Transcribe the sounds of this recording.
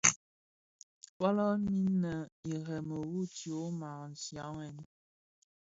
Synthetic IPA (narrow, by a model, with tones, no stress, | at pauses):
wa˦lɔ˦ni˦nə˨i˨ɣɛ˨mə˨wu˦˨tjo˨˦ma˨n̩˨sja˨˦ŋɛ˨n˨